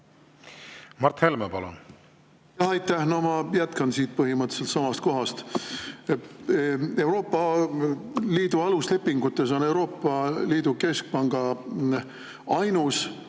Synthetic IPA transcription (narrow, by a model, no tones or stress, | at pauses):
mɑrt̪helmepɑlṵn | jɑhɑjt̪ːæhnomɑjæt̪kɑnsiːt̪̚pɤɦimɤt̪ːse̞lt̪sɑmɑst̪̚ko̞ɦɑst̪ | e̞wɾo̞ːpˑːɑ | liːd̪̥uɑlusle̞pːiŋɡut̪ːˑe̞so̞ne̞wɾo̞ːpːˑɑliːd̪̥uke̞sk̚pɑŋɡ̥ɑ | ɑjnus